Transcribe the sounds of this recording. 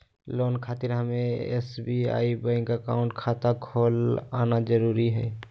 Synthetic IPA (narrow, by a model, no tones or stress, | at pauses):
loːnkʰaːt̪ɪɾɦəmẽḛsbia̰ːibəɪ̃ŋkəkaːʊ̃ɳʈkʰaːt̪akʰoːlaːnad͡ʒəɾuːɾiɦɛ̰ː